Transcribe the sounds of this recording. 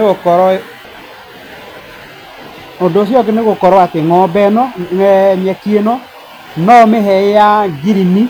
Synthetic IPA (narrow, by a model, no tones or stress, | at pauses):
neɣokɔɾɔ | ondoːs̬jɔkeneɣokɔɾɔateŋɔbɛnɔŋɛɲɛkienɔ | nɔomeɦɛejaɡiɾini